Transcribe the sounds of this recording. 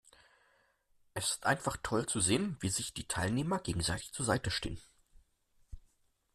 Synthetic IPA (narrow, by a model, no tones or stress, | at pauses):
ʔɛsɪ̥stʔa̰ɪnfaχtʰɔlt͡suzeːənviːzɪçd̥iːtʰaɪlneːmɐɡeːɡŋ̩zaɪtɪçt͡suːɐzaɪtəʃtḛːən